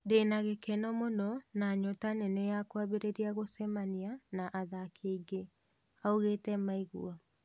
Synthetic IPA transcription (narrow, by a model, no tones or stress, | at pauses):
denaɣekɛnɔmonɔnaɲɔtanɛnɛjakwaβeɾeɾiaɣosɛmanianaʔaðakʰeiɡe | aoɣeːtɛmaiɣṵɔ